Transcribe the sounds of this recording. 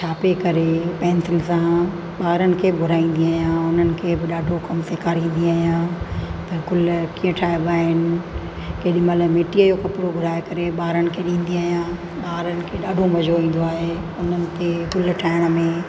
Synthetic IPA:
t͡ɕʰaːpekɐɾepɛ̃ːnt̪ʰɪlɪ̆sã | ɓaːɾənɪ̆kʰeːbʱʊɾaːĩːn̆d̪iaːɦjãːʊnənɪ̆kʰeːbɪɗaːɖʱokɐmseːkaːɾĩːn̆d̪iaːijãːt̪ɐkʊlkiːə̃ʈʰaːjbaːɦɪnɪ̆ | keːɗĩmɐləmeːʈiəjokɐpɾobʱʊɾaːekɐɾeɓaːɾənɪ̆kʰeɗĩːnd̪iaːɦijãː | ɓaːɾənɪ̆kʰeɗaːɖʱoʋɐd͡ʑʱoʋĩːn̆d̪oaːɦe | ʊn̤ənɪ̆t̪eɡʊlʈʰaːɪɽ̃ə̆mẽ

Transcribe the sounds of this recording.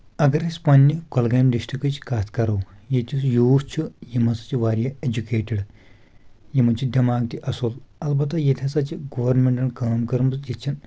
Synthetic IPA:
ɐɡɐɾesʲpɐnʲːikolɡɐːjmd̪iʂʈʰikɨt͡ʃʰi̥kaːt̪ʰkɐɾowjet̪ʲʰujuːst͡ʃʰujimɐsɐ̥t͡ʃʰiʋaːɾʲjɐed͡ʒukeːʈɐɽ | jimɐnt͡ʃʰid̪ʲɐmaːɡt̪iʔɐsulɐlbɐt̪ɐjet̪ʲʰɐsɐt͡ʃiɡɐʋɐɾnmeɳʈɐnkaːmkɐɾmsjit͡ʃʰin

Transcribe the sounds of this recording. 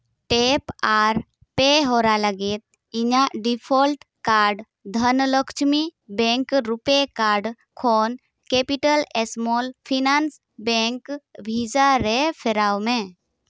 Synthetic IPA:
ʈepaːɾ | peɦoɾalaɡet̪̚ | iɲaɖipʰɔlʈ | kaɾɖ | d̪ʱənlɔkʰt͡ʃmibɛ̃ŋkɾupekaːɾɖ | kʰoːn | kepiʈəlɛsmolpʰinans | bɛ̃ŋkbʱid͡ʒaɾepʰeɾawmẽ

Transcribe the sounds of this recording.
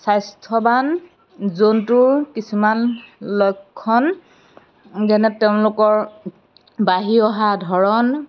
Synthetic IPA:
sajstʰɔban | zontʊɹkisumanlɔjkʰːɔn | ɡɛnɛteʊ̃lʊkɔɹ | baɦiɔɦadʱɔɹɔn

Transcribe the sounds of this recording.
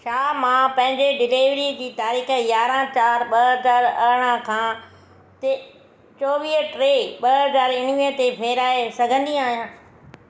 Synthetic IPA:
ʃaːmãpɐ̃ɦɪ̃ɲd͡ʑeɖɪleːʋɾid͡ʑiːt̪aːɾiːxjaːɾãt͡ɕaːɾɓɐɐzaːɾɐ̰ɽ̃ə̃kʰãː | t̪e | t͡ɕoːʋiːʈɾeːɓɐɦɐzaːɾɪnʋĩət̪epʰeːɾaːesɐɡʱə̃nd̪iaːɦijãː

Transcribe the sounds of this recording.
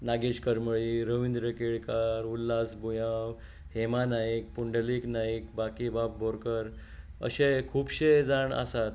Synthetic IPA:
naɡeɕkəɾməɭiɾəʋind̪ɾəkeɭkaɾulːasbujaw | hemanaik̚puɳɖəliknaikbakibab̚bʱoɾkəɾ | ə̰ɕekʰuːpɕed͡zaɳa̰sat̪̚

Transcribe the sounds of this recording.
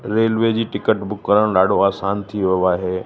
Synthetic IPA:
ɾeːlʋed͡ʑiːʈɪkəʈbʊkːəɾəɽ̃ɗaːɖ̤ʱoaːsaːnt̪ʰiʋijoaːɦeː

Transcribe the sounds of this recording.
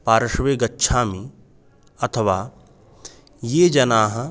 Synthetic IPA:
paːɾɐʃʋeɡɐtːʃʰaːmi | ɐt̪ʰəʋaː | jeːd͡ʒɐnaːɦɐ̃

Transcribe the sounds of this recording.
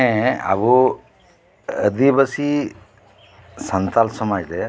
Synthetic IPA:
ɛ̃a̰bu | əd̪ibəsi | sənt̪alsɔmajd̪ɛ

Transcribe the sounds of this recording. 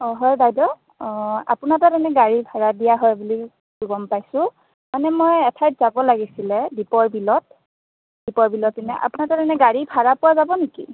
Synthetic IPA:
ɔɦɔjdajdɔ | a̰punatadanɛɡaɹibʱaɹadijaɦɔjbuli | ɡɔmpajsʊ̃ | manɛmojɛtʰajtz̥abɔlaɡisilɛbipɔɹbilɔt | b̥ipɔɹbilɔtːinɛ̰ʔa̰punataɾanɛɡaɹibʱaɹapʊwazabɔnekḭ

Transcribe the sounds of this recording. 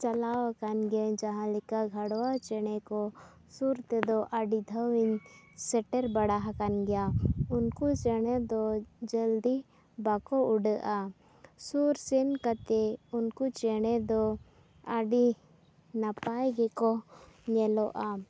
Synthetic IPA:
t͡ʃalawakanɡɛd͡ʒaɦãlɛkaɡʱaɽwat͡ʃɛɽ̃ɛkɔ | suɾt̪ɛd̪ɔʔaɖid̪ʱəwiɲsɛʈɛɾbaɽaɦakanɡɛjaunkut͡ʃɛɽ̃ɛd̪ɔd͡ʒəld̪i | bakɔuɖəʔa | suɾsɛnkat̪ɛunkut͡ʃɛɽ̃ɛd̪ɔ | aɖi | napajɡɛkɔɲɛlɔʔa

